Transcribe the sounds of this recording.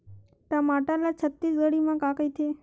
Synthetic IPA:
t̪amaʈalat͡ʃʰət̪ːisɡəɽimãkakəjt̪ʰe

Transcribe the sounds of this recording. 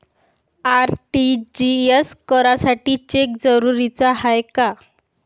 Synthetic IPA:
aɾʈid͡ʑieskəɾasaʈiːt͡ɕek̚d͡zəɾuɾit͡saɦajka

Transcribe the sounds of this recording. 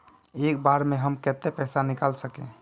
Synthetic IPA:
ekbaɾmeɦəmket̪epɛsanikalsəkẽ

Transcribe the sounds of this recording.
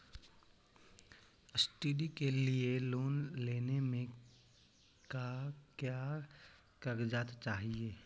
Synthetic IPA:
əsʈiːɖikelieloːnleːnemẽ | kakjaː | kəɾd͡ʒaːt̪t͡ʃaːɦieː

